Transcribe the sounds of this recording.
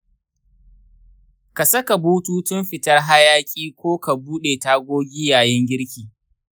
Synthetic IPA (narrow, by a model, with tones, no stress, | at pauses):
ka˨sɐ˦ka˨buː˦tuː˦tʊ˦mɸɪ˨tɐ˦rɦa˦jaː˦kʲʼiː˦kʷoː˦ka˨buː˦ɗeː˨taː˦ɡʷoː˦ɡʲiː˦jaː˨jɛ˦ŋɡʲɪ˦ɽkʲiː˨